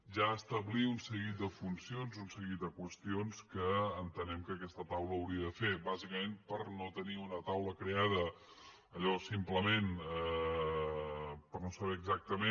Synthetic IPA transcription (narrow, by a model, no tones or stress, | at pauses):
ʒaəst̪əβliunsəɣit̪̚d̪əfunsionzunsəɣit̪̚d̪əkwəst̪ionskəːnt̪ənɛmkəːkɛst̪ət̪awləːwɾiəðəfebazikəmenpəɾnot̪əniunət̪awləkɾeaðə | əʎəβɔsimpləmen | pərnosəβɛːɡzak̚t̪əme